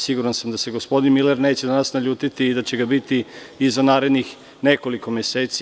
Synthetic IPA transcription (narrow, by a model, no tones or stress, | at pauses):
siɡuɾansamd̪ase̞ɡo̞spo̞d̪inmileɾne̞ːt͡ɕed̪anasnaʎuːt̪it̪iːd̪at͡ɕe̞ɡabit̪iizanaːɾed̪nix | ne̞ko̞liko̞meseːt̪si